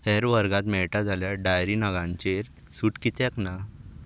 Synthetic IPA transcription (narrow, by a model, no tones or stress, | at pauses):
hɛɾʋəɾɡãt̪mɛɭʈad͡zʱaljaɖajɾinəɡãɲt͡ɕeɾ | suʈkit̪jakna